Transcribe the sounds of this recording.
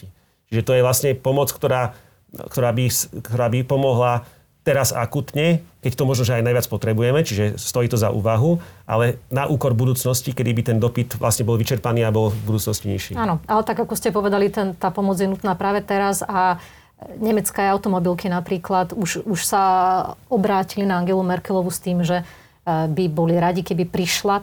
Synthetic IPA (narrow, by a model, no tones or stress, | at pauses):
i | t͡ʃiʒɛt̪ɔjɛʋlasɲɛpɔmɔt͡skt̪ɔɾaː | kt̪ɔɾaːbiskt̪ɔɾaːbipɔmɔɦla | t̪ɛɾaza̰kut̪ɲɛkɛct̪ɔmɔʒnɔʒɛajnajʋat͡spɔt̪ɾɛbujɛmɛt͡ʃiʒɛst̪ɔjiːt̪ɔzaʔṵːʋaɦuʔa̰lɛnaʔuːkɔɾbud̪uːt͡snɔscikɛd̪ibit̪ɛnd̪ɔpit̪ʋla̰sɲɛbɔlʋit͡ʃɛɾpaniːabɔlbud̪uːt͡snɔsciɲiʃḭaːnɔalɛt̪aɡakɔscɛpɔʋɛd̪alit̪ɛnt̪aːpɔmɔd͡zjɛnut̪naːpɾaːʋɛt̪ɛɾaza | ɲɛmɛt͡skaːjaʊt̪ɔmɔbilkinapɾiːklat̪uʃuʃsa | ɔbɾaːcilinaaŋɡɛlumɛɾkɛlɔʋust̪iːmʒɛ | bibɔliɾaɟikɛbipɾiʃla